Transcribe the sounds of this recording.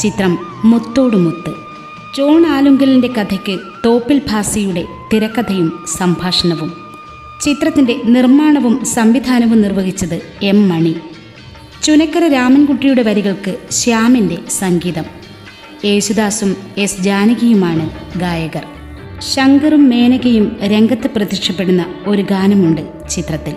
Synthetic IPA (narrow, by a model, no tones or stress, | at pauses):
t͡ɕit̪rɐmːut̪ːo̞ːɽɨmut̪ːɨ | t͡ɕo̞ːɳaːluŋɡɐlinde̞kɐd̪ʰʱɐkʲːɨ | t̪o̞ːpːilbʱaːsɐjuɽe̞t̪iɾɐkːɐd̪ʰʱɐjumsɐmbʱaːʂɐɳɐʋum | t͡ɕit̪rɐt̪ːinde̞nirmaːɳɐʋumsɐmʋid̪ʱaːnɐʋunirʋɐɣit͡ɕːɐðɨe̞mːɐɳi | t͡ɕunɐkːɐrɐɾaːmɐnkuʈːijuɽe̞ʋɐɾiɣɐɭkɨɕaːminde̞sɐŋɡiːðɐm | e̞ːɕud̪aːsume̞sd͡ʑaːnɐɣɐjumaːɳɨɡaːjɐɣɐr | ɕɐŋɡɐrumːe̞ːnɐɣɐjumɾe̞ŋɡɐt̪ːɨprɐðikʂɐpːe̞ɽunːɐo̞ɾuɡaːnɐmuɳɖɨ | t͡ɕit̪rɐt̪ːil